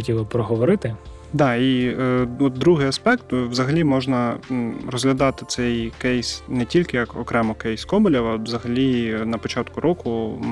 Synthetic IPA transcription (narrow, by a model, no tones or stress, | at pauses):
ɔtʲilˠɪpɾɔɦɔʋɔɾɪt̪ɪ | d̪ɑi | ɔt̪̚d̪ɾuɦɪjɐspɛkt̪wzɐɦɐlʲimɔʒnɐrɔzɦlʲɐd̪ɑt̪ɪt̪sɛjkɛjsnɛtʲilʲkɪjɐkɔkɾɛmɔkɛjskɔmbɔlʲɐɐʋzɐɦɐlʲinɐpɔt͡ʃɑt̪kʊɾʔɔkʊ